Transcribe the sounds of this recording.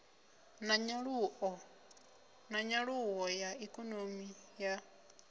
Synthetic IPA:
naɲau | naɲaɺuɣojaikonomija

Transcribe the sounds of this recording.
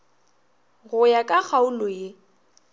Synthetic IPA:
ɣʊjakʼak͡xʰaʊlʊɪ

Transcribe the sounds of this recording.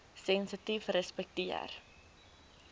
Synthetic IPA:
sɛnsətifrəspɛk̚tiə̰r

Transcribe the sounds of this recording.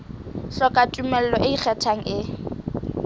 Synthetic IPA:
ɬɔkʼatʼumɛl̩lɔʔɪik͡xʰɛtʰaŋ̩ʔɪ

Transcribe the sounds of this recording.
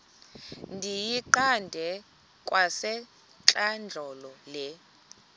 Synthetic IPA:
ndʱijiǃandʱɛ | kʼwasɛ | t͡ɬʼand͡ɮʱɔlɔlɛ

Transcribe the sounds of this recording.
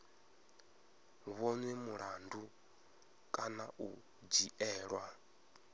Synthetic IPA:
βɔnwɛmuɺandu | kʼanaʔu | d͡ʒiʔɛːɺwa

